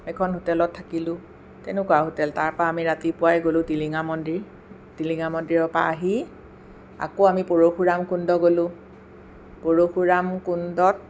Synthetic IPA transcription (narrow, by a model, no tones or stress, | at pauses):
ɛkʰɔnɦutɛlɔtʰːakilʊ̃ | tɛnʊkwaɦutɛltaɹpaːmiɹatipʊwajɡolʊ̃tiliŋamɔndiɹ | tiliŋamɔndɹiɹɔpa̰ːɦi | a̰koamipoɹoxuɹamkundɔɡolʊ̃ | poɹoxuɹamkundɔt̚